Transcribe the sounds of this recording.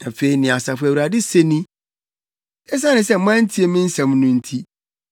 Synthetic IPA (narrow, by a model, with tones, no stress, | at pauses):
na˨fe˨i˨nɪ̃˨a˨sa˨fʊ˨æ˨wu˨ɾa˨dɪ˦se˦nĩ˦ | ɛ˦s̬a˦nɪ̃˨˦sɛ˦m̩˦mã˦n̩˦tʰi˦e˨mɪ̃˦n̩˦sã˨mnʊ̃˦n̩˦tʰi˦